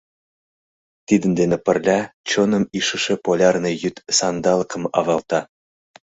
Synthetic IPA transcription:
t̪id̪ə̆nd̪enĕpə̆rlʲæt͡ɕonɤ̆miʃə̆ʃĕpolʲɑrnɤ̆jyt̪sɑnd̪ɑlˠɤkɤ̆mɑ̰βɑlˠt̪ɑ

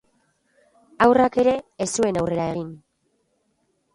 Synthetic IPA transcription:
awrake̞ɾe̞ːsue̞nawre̞ɾaeɣ̞in

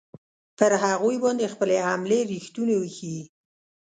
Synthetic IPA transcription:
pəɾɦaɣujbɑnd̪expəlehamleɾixt̪unewəxi

